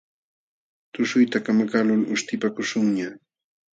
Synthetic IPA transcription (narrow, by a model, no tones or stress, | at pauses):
t̪ʊʃʊjt̪akamakalʊlʊʃt̪ɪpakʊʃʊŋɲa